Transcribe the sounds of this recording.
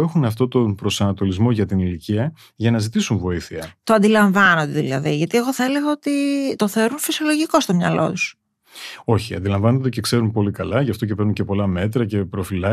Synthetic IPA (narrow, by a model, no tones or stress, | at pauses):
exunɐft̪o̞t̪o̞npɾo̞sɐnɐt̪o̞lizmo̞ʝɐt̪iniliciɐ | ʝɐnɐzit̪isuɱvo̞iθiɐt̪oɐnd̪ilɐɱvɐnond̪eðilɐ̰ðiʝɐt̪ie̞ɣo̞θɐele̞ɣɐot̪it̪o̞θeɾunfisio̞loʝiko̞st̪o̞mɲɐ̰lo̞̰t̪u̥s | o̞çiɐ̰nd̪ilɐɱvɐnond̪ece̞kse̞ɾunpo̞likɐlɐʝɐft̪ocepe̞ɾnuncepo̞lɐme̞t̪ɾɐce̞pɾo̞filɐ